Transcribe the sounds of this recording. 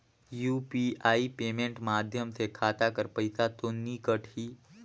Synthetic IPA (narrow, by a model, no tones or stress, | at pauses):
juːpiaːipeːmẽːɳʈmaːd̪ʱjəmsekʰaːt̪akəɾpəɪsat̪onːikəʈʰiː